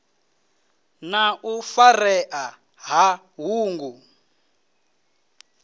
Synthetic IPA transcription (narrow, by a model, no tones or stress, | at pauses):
naʔufarɛʔa | ɦa | ɦuːŋɡu